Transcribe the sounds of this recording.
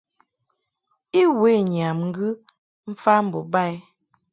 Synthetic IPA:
i˦we˨˦˨ɲ˨a˨mŋ̩˦ɡɯ˦ | m̩˦fa˦m̩˨bɔ˨ba˦˨j

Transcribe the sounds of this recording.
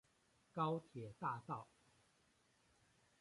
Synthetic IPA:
kɑ˥ʊt̪ʰjɛ˨˩t̪a˥˧t̪ɑ˥˩ʊ

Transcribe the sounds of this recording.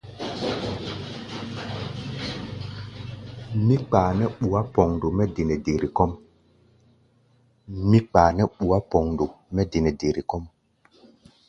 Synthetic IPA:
mi˦k͡paː˨nɛ˦ɓu˨a˦pɔ˨ŋndo˨mɛ˦de˨nɛ˨de˨ɾi˨kɔ˦m | mi˦k͡paː˨nɛ˦ɓu˨a˦pɔ˨ŋdo˨ | mɛ˦de˨nɛ˨de˨ɾi˨kɔ˦m

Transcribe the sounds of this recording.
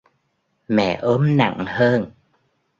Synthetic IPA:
mɛ̰˧˨ʔo˨˦mna̰˧˨ŋhəː˧n

